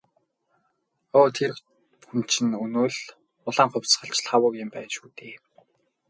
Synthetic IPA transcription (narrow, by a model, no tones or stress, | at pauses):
oːt̪ʰer | xumt͡ɕʰɘ̆nɵnoːɮ | ʊɮaːŋχʊ̟wʲsχə̆ɬt͡ɕɮχawʊːkɪmpæːnʃuːt̪eː